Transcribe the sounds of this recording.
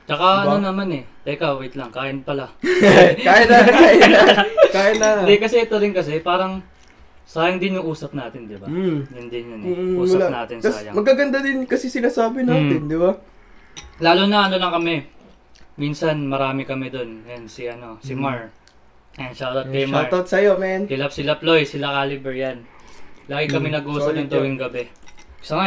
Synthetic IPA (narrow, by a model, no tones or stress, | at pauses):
t͡ʃɐkaʔɐnonɐmanɛt̪ɛjkɐwit̪lɐŋkaːjɪnpɐla | kaːjɐnɐkaːjɐakajɐnɐd̪ɛkɐsɛɛt̪oɾɪnkɐsɛpaːɾɐŋ | saːjɐŋd̪ɪnjʊŋʔuːsɐp̚naːt̪ɪnd̪ɪbajʊnd̪ɪnjʊnːʔuːsɐlanaːt̪ɪnskɐa̰ːjɐ̰ŋmɐɡkːaɡɐnd̪ad̪ɪnkɐsɛsɪnaːsaːbɪnaːt̪ɪnd̪ɪba | laːlʊnɐʔɐnolɐkɐmɛ | minsɐnmɐɾaːmɪkɐmɛd̪o̞njansiʔɐno̞sɪmaɹ | ɛnʃawt̪ɐkejmaɹɐt̪sɐjomɛnsɪlɐp̚sɪlɐplojsɪlakaːlibɛɹjanlaːɡɪkɐmɛnɐɡʔuːsɐpjʊŋt̪uwɪŋɡɐbɛsɐŋa